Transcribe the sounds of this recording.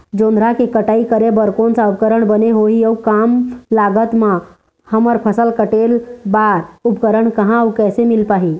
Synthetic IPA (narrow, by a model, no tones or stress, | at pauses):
d͡ʒõːnd̪ɾakekəʈaːikəɾebəɾkõnsaup̚kəɾəɳ̃bəneɦoiəwkamlaːɡət̪mã | həməɾpʰəsəlkəʈeːlbaɾʊpkəɾəɳkəɦãwkɛːsemɪlpaːɦi